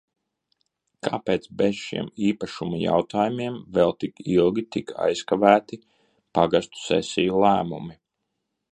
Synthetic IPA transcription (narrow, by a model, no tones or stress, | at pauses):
ka̰ːpeːt̪sbez̥ʃḭɛmiːpaʃumaja̰wt̪aːjumiɛmvɛlˠt̪ikilˠɡʲit̪ika̰jskavæːt̪i | paɡast̪u̥sɛ̰sijulˠæːmumi